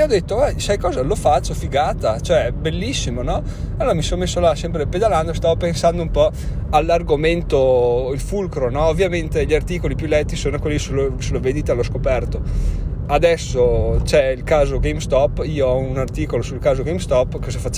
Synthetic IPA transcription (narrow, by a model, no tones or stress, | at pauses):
ɔd̪et̪ːoɛsajkɔːzalofat͡ʃːofiɡaːt̪at͡ʃoɛbelːisːimonɔ | alːoːɾamisonomesːolasɛmp̬ɾeped̪aland̪oest̪aːvopensand̪oumpɔ | alːarɡoment̪oilfulkɾonɔovːjament̪eʎiart̪iːkolipjulɛt̪ːisoːnokwelːisulosuloved̪it̪aloskopɛrt̪oad̪ɛsːot͡ʃɛilkaːzoɡejmst̪ɔpːiːoɔunart̪iːkolosulkaːzoɡejmst̪ɔpːkɔzafat͡ʃː